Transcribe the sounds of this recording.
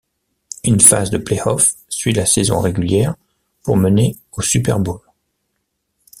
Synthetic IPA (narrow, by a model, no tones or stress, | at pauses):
ynfa̰zd̪əpleɔfsɥid̪əlasɛzɔ̰̃ʁeɡʲyljɛʁ | puʁməne | osypɛʁbul